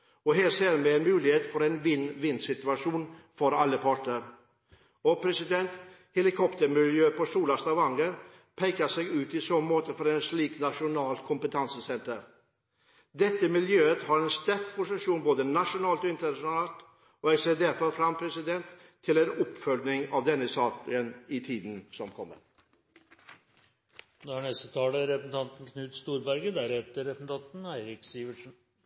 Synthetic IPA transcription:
ɔɦeːɾseːɾmɛɛnmʉːlɪheːt̪fɔɾɛɪnʋɪnːʋɪnːsɪt̪ʉɑʂuːnfɔɾɑlːəpʰɑʈɳəɾ | ɔpʰɾɛsɪd̪ɛnt̪ | hɛlɪkʰɔpt̪əɾmɪljøːpʰɔsuːlɑst̪ɑʋɑŋːəɾ | pʰɛɪkəsɛɡʉːt̪ɪsɔmmoːt̪əfɔɾɛɪnʂliːknɑʂʊnɑːlt̪kʰʊmpət̪ʰɑnsəsɛnt̪əɾ | d̪ɛt̪ːəmɪljøːət̪hɑɾɛnst̪ɛɾfpʰʊsɪʂuːnboːd̪ənɑʂʊnɑːlt̪ɔːɪnt̪əɳɑʊnɑːlt̪ | oːɛseːd̪eɾfɑlfɾɑmːpʰɾɛsɪd̪ɛnt̪ʰː | ɪlɛnɔpfœlnɪŋɑʋd̪ɛnːəsɑːkənɪt̪ʰiːd̪n̩sɔmkʰɔmːə̰ɾ | d̪ɛhæɳɛst̪ət̪ʰɑːləɾɛpəsn̩t̪ʰɑnt̪n̩kʰnʉːt̪st̪uːɾbæɾɡəd̪æɾet̪əɾɾɛpsn̩t̪ɑnt̪n̩æɪɾɪksiːʋəʂn̩

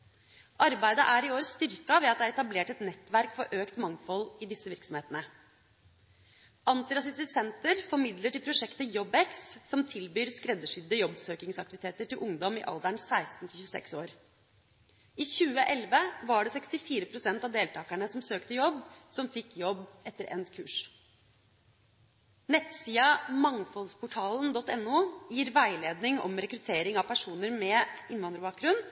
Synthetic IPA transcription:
ʔɑɾbæɪd̪əʔæɾɪoːɾst̪ʏɾkɑʋɛɑt̪d̪ɛæɾɛt̪ɑbleːʈɛt̪nɛt̪ːʋæɾkfɔɾʔøːkt̪mɑŋfɔlːɪd̪ɪsːəʋɪɾksɔmheːt̪nə | ʔɑnt̪ɪɾɑsɪst̪ɪsɛnt̪əɾfɔɾmɪd̪ləʈɪlpʰɾʊʂɛkt̪əjɔbɛkssɔmt̪ʰɪlbyːɾskɾɛd̪ːəʂʏd̪ːəjɔbːsøːkɪŋsɑk̚t̪ɪʋɪt̪eːt̪əʈɪlʔʊŋd̪ɔmɪʔɑ̰ld̪æɳsæɪst̪n̩t̪ɪçʉːəsɛ̰ksoːɾ | iːçʉːəʔɛlʋəʋɑɖɛsɛkst̪ɪfiːɾəpʰɾʊsɛnt̪ɑʋd̪eːlt̪ʰɑːkæɳəsɔmsøːkt̪əjɔbːsɔmfɪkːjɔbːɛt̪ːəɾʔɛ̰nt̪kʰʉ̰ːʂ | nɛt̪siːɑmɑŋfɔlspʰʊʈʰɑːlənd̪ɔt̪ːɛnːuːjiːɾʋæɪleːd̪nɪŋɔ̰mɾɛkɾʉt̪ʰeːɾɪŋɑʋpʰæʂuːnəɾmɛɪnʋɑnd̪ɾbɑːkɾʉn

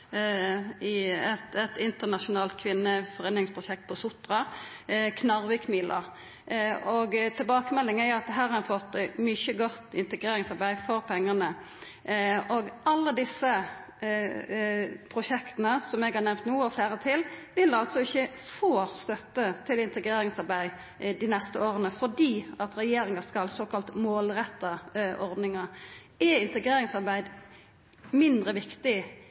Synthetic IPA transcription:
ɪɛt̪ɛt̪ɪnt̪ənɑʂʊnɑːlt̪̚kʰʋɪnːəfɔʁeːnɪŋspʰʁʊʃɛk̚t̪̚pʰɔsʊt̪ʁɑ | kʰnɑʁʋɪːkmiːlʔɑ̰ | ɔɡt̪ʰɪlbɑːkəmɛlːɪŋæjʊɑt̪̚d̪ɛɦæːɾɑɾɛfɔt̪ːmʏçəɡɔt̪ːɪ̰nt̪əɡʁeːɾɪŋsɑɾbæɪfɔɾpʰɛŋːɑnə | ɔɡɑlːəd̪ɪsːə | pʰɾʊʃɛkt̪ənəsɔmɛɡhɑʁnɛʋmt̪nuːɔfleːɾət̪ʰɪlʋɪlɑlsɔɪçəfoːst̪œt̪ːət̪ʰɪlɪnt̪əɡɾeːɾɪŋsɑɾbæɪ | d̪iːnɛst̪əoːɾənəfɔd̪iːɑt̪ɾɛjeːɾɪŋɑskɑlsoːkɑlt̪moːlɾɛt̪ːɑʔɔɾd̪nɪŋɑ | ɛɪnt̪əɡʁeːɾɪŋsɑɾbæɪd̪ | mɪnd̪ɾəʋɪkt̪ɪ

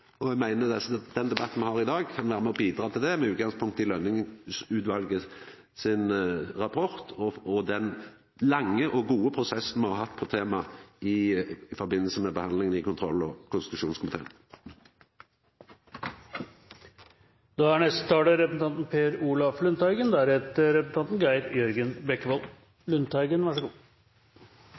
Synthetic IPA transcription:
ɔæɡmæɪnəd̪ɛsd̪ɛnd̪ɛbɑt̪ːn̩mɛhɑʁɪd̪ɑːɡ̚kʰɑnʋæːɾəmɛɔbiːd̪ɾɑːt̪ʰɪld̪ɛmɛʉːt̪̚ɡɑŋspʰʊŋkt̪ːɪlœnːɪŋəsʉːt̪ʋɑlɡə | sɪnʁɑpʰɔʁt̪ʰɔɔd̪ɛn | lɑŋːəʔɔɡuːəpʰʁʊsɛsn̩mɑhɑɦɑt̪ːpʰɔt̪ʰeːmɑɪfɔʁbɪnːəlsəmɛbəhɑnlɪŋənɪkʰʊnt̪ʰʁɔlːɔkʰʊnsɪt̪ʉʃuːnskʰʊmɪt̪ʰeːən | d̪̥ɑːæɳɛst̪ə̥t̪ʰɑːɽəɾɛpəsn̩ɑnt̪n̩pʰeːɾuːlɑflʉnt̪æɪɡənd̪æɾhɛt̪əɾɛpəsn̩t̪ʰɑnt̪n̩ɡæɪɾjœɾɡənbɛkːəʋɔl | lʉnt̪æɪɡənʋæʂɔɡuː

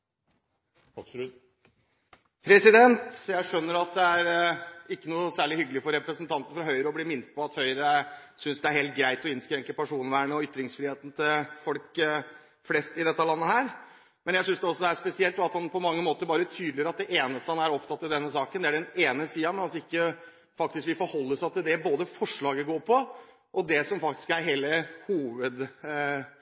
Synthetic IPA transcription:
pʰɾɛsɪd̪ɛnt̪jæɪʂœnːəɾɑt̪̚d̪ɛæɾɪkːənuːəsæːɭɪhʏɡːlɪfɔɾɾɛpɾəsənt̪ʰɑnt̪nəfɾɑɦœʏɾəɔblɪmɪnt̪̚pʰɔɑt̪hœʏɾəsʏnsd̪ɛæɾheːlt̪̚ɡɾæɪt̪ɔɪnskɾɛŋkəpæʂuːnʋæːɳəɔʏt̪ːɾɪŋsfɾiːeːt̪n̩t̪ʰɪlfɔlk | flɛst̪ɪd̪ɛt̪ːəlɑnːəhæːɾ | mɛnjæɪsʏnsd̪ɛɔsːɔd̪ɛæʂpɛsɪɛlt̪d̪ɑt̪hɑnpʰɔmɑŋːəmoːt̪əɾbɑːɾət̪ʰyːd̪lɪəɾɑt̪̚d̪ɛʔeːnəst̪əhɑnæɾɔpt̪ʰɑt̪ːɪld̪ɛnːəsɑːkənd̪ɛæɖɛneːnəsiːɑmɛnɑlsɔɪkːə | fɑk̚t̪ɪskʋɪfɔɾhɔlːəsæɪt̪ɪld̪ɛboːd̪əfɔʂɭɑːɡəɡoːɾpʰɔ | ʔɔd̪ɛsɔmfɑk̚t̪ɪ̥skæɾɦeːləhuːʋəd̪

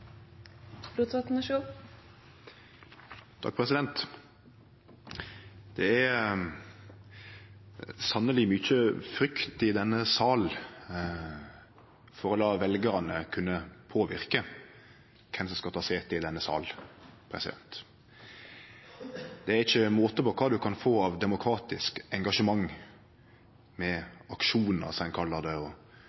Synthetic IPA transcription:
ɾuːt̪ɑt̪nəʃuː | t̪ʰɑ̰k̚pʰʁɛsɪd̪ɛnt̪ | d̪̥ɛæɾ | sɑnːəlɪmʏçəfɾʏkt̪ɪd̪ɛnːəsɑːl | fɔɾɔlɑːʋɛlɡəɾɑnəkʰʉnːəpʰoːʋɪ̰ɾkə | kʰɛmsɔmskɑt̪ʰɑseːt̪ɪd̪ɛnːəsɑ̰ːlpʰɾɛ̰sɪd̪ɛ̰nt̪ | d̪̥ɛæɾɪçːəmoːt̪əpɔkʰɑːd̪ʉkʰɑnfoːɑʋd̪ɛmʊkʰɾɑːt̪ɪskɛŋɡɑʂəmɑŋː | mɛɑkʂuːnə̰ʁsɔɛnkʰɑlːəd̪ɛɔ

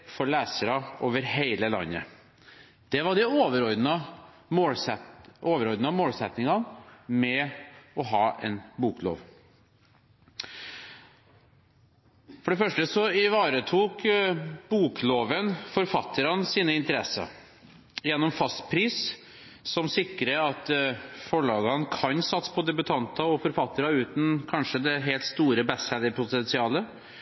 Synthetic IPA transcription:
fɔɾɭæːsəɾɑoːʋəɾheɪləlɑ̰nːə̰ | d̪̥ɛʋɑɖɛoːʋəɾɔɾd̪nə | moːlsɛʔoːʋəɾɔɾd̪nɑmoːlsɛt̪nɪŋɑnmɛɔɦɑːɛ̰nbuːklo̰ːʋ | fɔɖɛfœʂʈəsɔɪʋɑːɾət̪ʰuːkb̥uːkloːʋənfɔɾfɑt̪ʰːəɾɑnsiːnəɪnt̪əɾɛsɑ̰ | jɛnːɔmfɑst̪pʰɾiːs | sɔmsɪkːɾəɑt̪fɔɭɑːɡɑnkʰɑnsɑt̪spʰɔd̪ɛbʉt̪ʰɑnt̪ɑɔfɔɾfɑt̪ːəɾɑʉːt̪n̩kʰɑnʂəd̪ɛɦɛɪlt̪st̪uːɾəbɛshɛd̪əpʰʊt̪ɛnsɪɑːlə

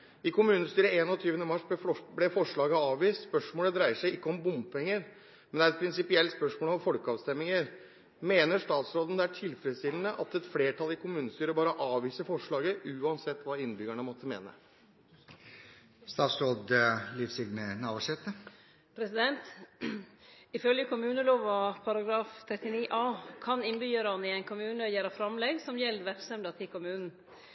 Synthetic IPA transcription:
ɪkʊmʉːnəst̪yːɾəeːnɔt̪ʰyːʋənəmɑʂblɛfɔʂɭɑːɡəɑːʋʋiːst̪spœʂmoːləd̪ɾæɪəʂæɪɪkːəɔmbʊmpʰɛŋːəɾ | mɛnd̪ɛæɾɛt̪̚pʰɾɪnsɪpɪɛlt̪spœʂmoːlɔmfɔlkəɑːʋst̪ɛmːɪŋəɾ | meːnəʂt̪ɑːt̪sɾoːd̪ən̩d̪ɛæʈʰɪlfɾət̪st̪ʰɪln̩əʔɑ̰t̪ɛt̪fleːʈʰɑlɪkʰʊmʉːnəst̪yːɾəbɑːɾəʔɑːʋʋiːsəfɔʂɭɑːɡəʔʉːɑnsɛt̪ːʋɑːɪnbʏɡəɳəmɔt̪ʰːəmḛːnə̰ | st̪ɑːt̪sɾoːd̪lifsɪɡnənɑbɔʂɛt̪ə | pʰɾɛsɪd̪ɛnt̪ | ɪfœljəkʰʊmʉːnəloːʋɑpʰɑɾɑɡɾɑːft̪ʰɾɛt̪ːɪniːʔɑːkʰɑnɪnbyːɾɑnɪɛɪnkʰʊmʉːnəjæːɾɑfɾɑmlɛɡsɔmjɛlːʋæksɛmd̪ɑt̪ʰɪlkʰʊmʉːnn̩

